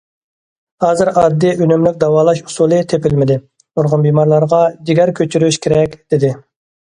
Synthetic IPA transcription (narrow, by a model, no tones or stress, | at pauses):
hɑːzɨɾɑd̪ːɨʔynymlyk̚ʲd̪ɑwɑːlˠɑʃu̥sulˠɨt̪ʰepɪlmɪd̪ɪ | boɾʁʊnbimɑɾlˠɑɾʁɑd͡ʒ̪iɡʲæɾkʲʰøt͡ʃʰyɾyʃkʲʰeɾɛkʲd̪̥ɪd̪ɪ